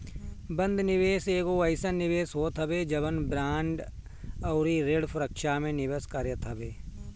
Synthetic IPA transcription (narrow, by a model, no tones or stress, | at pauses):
bə̃nd̪nɪʋeːseːɡoɐɪsənɪʋeːsɦoːt̪ʰɦɐbed͡ʒɐbənbɾaːɳɖ | ɐːɾiːɾeːɽpʰʊɾəkʃamẽnɪʋəskaɾjət̪ʰɐbeː